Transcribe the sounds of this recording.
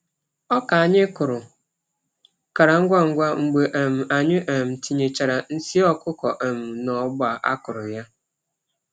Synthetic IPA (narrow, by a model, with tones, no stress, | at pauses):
ɔ˦ka˨a˨ɲɪ˦kʊ˨ɾʊ˨ | ka˨ɾa˨ŋ̩˦ɡʷa˦ŋ̩˦ɡʷa˦ŋ͡m̩˨ɡ͡be˨ʔe˨m̩˨a˨ɲɪ˦ʔe˨m̩˨ti˨ɲe˨t͡ʃa˨ɾa˨n̩˦si˦ɔ˦kʊ˦kɔ˨ʔe˨m̩˨nɔ˨˦bʊ˦a˨ʔa̰˦kʊ˨ɾʊ˨ja˦